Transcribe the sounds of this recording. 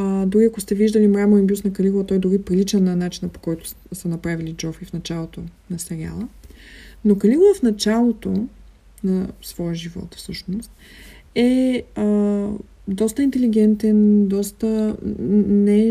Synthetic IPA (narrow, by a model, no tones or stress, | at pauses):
d̪ʊɾiɐkost̪ɛviʒd̪əlimɾamoinbʲjusnɐkɐliɡʊlˠɐt̪ɔjd̪oɾipɾilit͡ʃɛnːɐnat͡ʃinəpo̥kɔjt̪ʊ̥ | sənɐpɾavilid͡ʒɔfɾifnɐt͡ʃalˠot̪onɐsɛɾia̰lˠə | nokɐliɡʊvˠəfnɐt͡ʃalˠot̪o | nɐsvɔjəʒivɔ̰t̪fsɤʃnost̪̚ | ɛə | d̪ɔst̪əint̪ɛliɡɛnt̪ɛnd̪ɔst̪ə | nɛ